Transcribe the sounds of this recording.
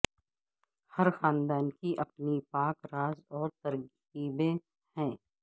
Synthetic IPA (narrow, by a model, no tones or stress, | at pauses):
hɐɾxaːnd̪aːnkiʔɐpnipaːkɾaːzɔːɾt̪əɾɡ | iːbẽ | hɛ̃ː